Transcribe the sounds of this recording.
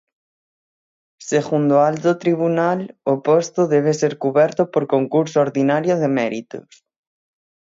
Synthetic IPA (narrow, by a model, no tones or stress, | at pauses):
seɣund̪oalt̪ot̪ɾiβunalopost̪ʊðɛβ̞eseɾkuβɛɾt̪ʊpoɾkoŋkuɾsooɾðinaɾjoðemɛɾit̪ʊ̰s